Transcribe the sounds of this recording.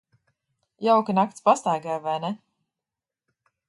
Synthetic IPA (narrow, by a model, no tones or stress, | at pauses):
jawkinakt̪spast̪ajɡajvajnɛ